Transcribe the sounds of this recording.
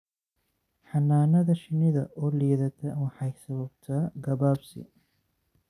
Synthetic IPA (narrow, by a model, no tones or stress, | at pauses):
ħɑnːaːnɐðɐʃɪnɪðɐʔɔːliːðɐt̪ʰɐwɑħɑjsɐβɐbt̪ʰɐɡɐβaːbsɪ̰